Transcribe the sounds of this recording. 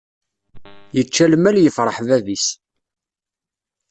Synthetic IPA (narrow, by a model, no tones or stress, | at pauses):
jət͡ʃːælmæljəfɾˤəħvævis